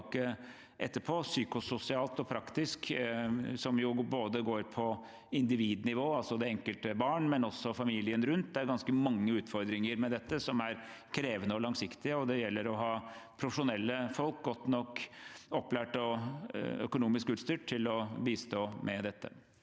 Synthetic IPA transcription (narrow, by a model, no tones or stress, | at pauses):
kːə | ʔɛt̪ːəɾpʰoːsyːkʊsʊsɪɑːlt̪ɔpʰɾɑkt̪ɪsk | sɔmjʊboːd̪əɡoːɾpʰɔ | ɪnd̪ɪʋiːd̪nɪʋoːɑlsɔd̪ɛɛŋkəlt̪əbɑːɳmɛnɔsːɔfɑmiːlɪənɾʉnt̪̚d̪ɛæɾɡɑnskəmɑŋːəʉːt̪fɔɾd̪ɾɪŋəɾmɛd̪ɛt̪ːəsɔmæɾ | kʰɾeːʋənəɔlɑŋsɪkt̪ɪəɔd̪ɛjɛlːəɾɔɦɑːpʰɾʊfə̥ʂʊnɛlːəfɔlk̚ɡɔt̪ːnɔkːɔpːlæːʈɔ̰ | œ̰kʊnuːmɪskʉːt̪st̪yːʈ̪ʰːɪlɔbiːst̪oːmʔɛd̪ɛt̪ːə̰